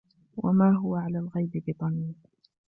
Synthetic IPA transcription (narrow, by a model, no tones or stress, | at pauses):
wʔa̰maːɦʊwaʕalaːlɣajbɪbɪt̪ˤɑniː